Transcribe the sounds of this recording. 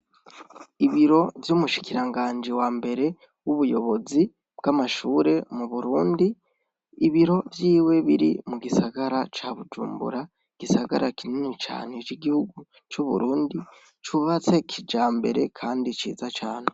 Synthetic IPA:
iβiɾo̞vjumuʃi̥kiɾaŋɡaːnd͡ʒiwaːmbe̞ɾe̞ | wuβujo̞βo̞zi | b̥ɡ̥amaʃuːɾe̞muβuɾuːndi | iβiɾo̞vjiːwe̞βiɾḭmuɡisaɡaɾat͡ʃaβud͡ʒṵːmbṵɾa | iɡ̥isaɡa̰ɾakininit͡ʃa̰ːnet͡ʃiɡihuɡu | t͡ʃuβṵɾuːndi | t͡ʃuβat͡se̞kʰid͡ʒaːmbe̞ɾe̞kʰaːndit͡ʃḭːzat͡ʃaːne̞

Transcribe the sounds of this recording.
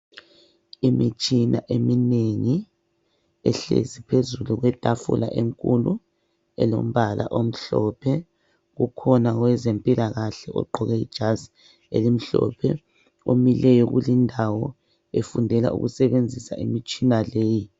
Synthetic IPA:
imit͡ʃʼina̰ʔemineŋi | ɛɬḛzipʰezuluɣwɛtʼafṵla̰ʔeŋkʼulu | ɛlo̰m̩βʱalʔa̰ʔom̩ɬɔpʰɛ | ɣukʰɔnaɣwɛzempʼilaɣaɬɛʔɔɡ͡ǃʱɔɣɛḭd̥ʒ̥ʱaz | elim̩ɬɔ̰pʰɛ | omilɛjɔɣulindʱawɔ | efundʱɛla̰ʔṵɣusɛβend͡zʱisaʔimit͡ʃʼinaleːji

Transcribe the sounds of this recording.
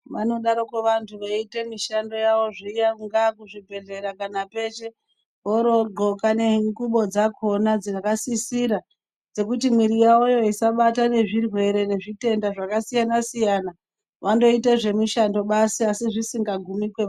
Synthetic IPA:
ʋano̞ɗaɾo̞keʋantʰuʋaite̞miʃando̞jaʋo̞ʐijaŋɡakuʐibʱe̞ɮe̞ɾakanape̞ʃe̞ | oɾo̞ɡo̞kane̞ŋɡuɓo̞d͡zakʰo̞nad͡zinakasisiɾa | d͡ze̞kutimwiɾijaojo̞isaɓatane̞ʐirwe̞ɾe̞ne̞ʐite̞ndaʐakasijanasijana | ʋando̞iteʐe̞miʃando̞ɓasiasiʐisiŋɡaɡʱumikwe

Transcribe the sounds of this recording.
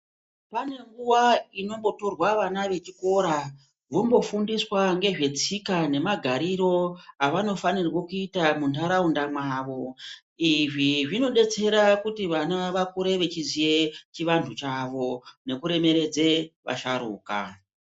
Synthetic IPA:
pane̞ŋɡuwaino̞mbo̞to̞rwaʋanaʋe̞t͡ʃiko̞ɾa | ʐombo̞fundiswaŋɡe̞ʐe̞t͡sikane̞maɡʱaɾiɾo̞aʋano̞fanirwokuitamuntaɾaundamwaːʋo̞ | iʐiʐino̞ɗe̞t͡se̞ɾakutiʋanaʋakuɾe̞ʋe̞t͡ʃizije̞t͡ʃiʋantʰut͡ʃaʋo̞ne̞kuɾe̞me̞ɾe̞d͡ze̞ʋa̰ʃaɾṵːka̰

